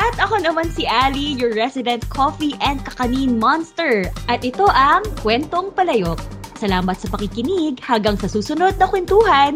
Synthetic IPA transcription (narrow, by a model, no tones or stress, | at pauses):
ʔɐt̪ʔɐko̞nɐmansiʔaːlijʊɹːɛsɪd̪ɛnt̪̚kʰofiʔɛnd̪̚kɐkɐninmanst̪ɛɹʔɐt̪ʔɛt̪o̞ʔɐŋkwɛnt̪oŋpɐlɐjok̚sɐlaːmɐt̪sɐpɐkikɪniɡhɐŋɡɐŋsɐsuːsʊno̞d̪̚nɐkwɛnt̪uːhɐn